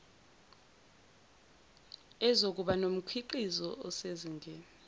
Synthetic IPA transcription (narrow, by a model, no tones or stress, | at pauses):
ɛzok̬ʼuɓanom̩kʰiǃizɔʔɔseziŋʱɛ